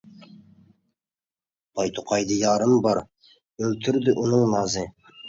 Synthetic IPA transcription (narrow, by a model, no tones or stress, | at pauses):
b̥ɑjt̪ʰʊqɑjd̪əjɑɾəmbɑɾ | ɵlt̪ʰɪɾd̪ɪʔʊnəɴnɑzə